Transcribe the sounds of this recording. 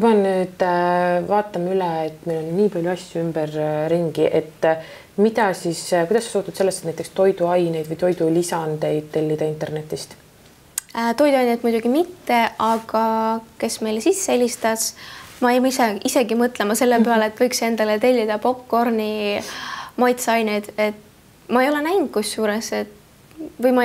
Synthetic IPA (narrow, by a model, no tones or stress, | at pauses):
mɑnnyːd̪vɑːt̪ːˑɑmylɛet̪ːmelo̞nːiːpɑlʲjuɑsʲjuymb̥ɛrːiŋɡiʔe̞t̪ː | mid̪ɑsiskujd̪ɑsːesuht̪ud̪̥se̞lːest̪et̪næjt̪ekst̪o̞jd̪uɑjne̞jd̪̥vɯjt̪o̞jd̪ulisɑnd̪e̞jd̪̥̚t̪e̞lʲːid̪̥ɑint̪e̞rne̞t̪ːˑist̪ | t̪o̞jd̪uɑjnet̪ːmujd̪uɡ̥imit̪ːe̞ɑɡ̥ɑke̞sme̞jlesisːeelʲist̪ɑsmɑejmiseise̞ɡimɤt̪ˑlemɑse̞lːepeɑleet̪ːˑvɤjkse̞nd̪ɑlet̪e̞lʲːid̪̥ɑpo̞pko̞rni | mɑjt̪sɑjned̪̥e̞t̪ | mɑe̞jole̞næjnk̪̚kusːuːɾeset̪ | vɯjmɑ